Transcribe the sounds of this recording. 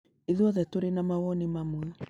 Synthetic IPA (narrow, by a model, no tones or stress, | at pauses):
eðuɔðɛtoɾenamawɔnemamwɛ